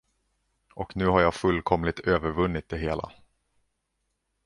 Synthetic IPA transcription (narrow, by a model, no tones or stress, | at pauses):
ʔɔknʉ̟ːɦaɾjaːfɵlːkʰɔmlɪt̪ʰøːvəɾvɵnːɪt̪̚d̪ɛɦeːla̰